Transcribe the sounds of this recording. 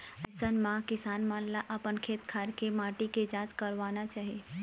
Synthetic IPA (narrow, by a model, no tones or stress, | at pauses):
ɛsənmãkɪsaːnmãːnlaʔɐpənkʰeːt̪kʰaːɾkemaːʈiked͡ʒãːd͡ʒkəɾʋaːnat͡ʃaːɦie